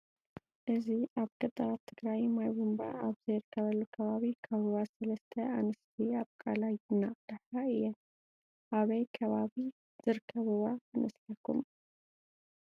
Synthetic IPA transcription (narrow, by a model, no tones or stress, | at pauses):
ʔɨziʔaβkʼɐt̪ʼːɐɾat̪ʰːɨɡɾajmajbumba̰aβzɐjɾɨkʰːɐβɐlːukʰɐβaβikʰɐβɨβasɐlɐst̪ʰɐanɨst̪ʰiaβkʼalajɨnːaχʼd̪ɨħaɨjɛn | ʔaβɐjkʰɐβaβi | z̥ɨɾɨkʰːɐβɨβanɐsħakʰːṵm